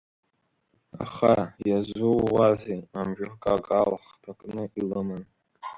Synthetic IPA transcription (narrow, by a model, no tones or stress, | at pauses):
a̰χajazʷowːazeamʒᶣʊkʼaɡʼalħtʰakʼnɨʔilɨman